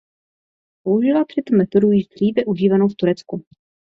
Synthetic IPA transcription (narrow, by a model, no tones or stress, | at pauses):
pouʒɪlat̪r̝̥ɪt̪omɛt̪o̞dujɪʒd̪r̝iːvɛʔuʒiːvanowft̪uɾɛt͡sku